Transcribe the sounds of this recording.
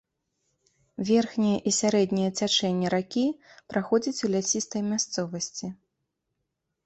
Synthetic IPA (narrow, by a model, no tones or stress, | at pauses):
vʲɛrxnʲijɐʔisʲaɾɛd̪nʲijɐt͡sʲat͡ʂɛnʲːɛɾakʲipɾaxɔd͡zʲɐt͡sʲulʲasʲist̪ɐjmʲast̪sɔvɐsʲt͡sʲi